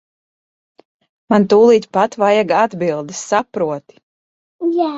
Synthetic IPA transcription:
mant̪uːlˠiːt̪ʲpat̪vajaɡad̪bilˠd̪ɨsːapɾuɔt̪i̥ | jaː

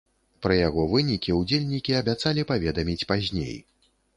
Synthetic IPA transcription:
pɾɐjaɣɔvɨnʲikʲiud͡zʲelʲnʲikʲiɐbʲat̪salʲipavʲɛd̪ɐmʲit͡sʲpazʲnʲḛj

